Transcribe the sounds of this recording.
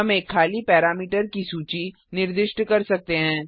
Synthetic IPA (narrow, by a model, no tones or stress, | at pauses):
ɦɐmeːkʰːaːlipɛːɾaːmiːʈəɾkisuːt͡ʃi | nɪɾd̪ɪʃʈkɐɾsɐk̚t̪eɦɛ̃ː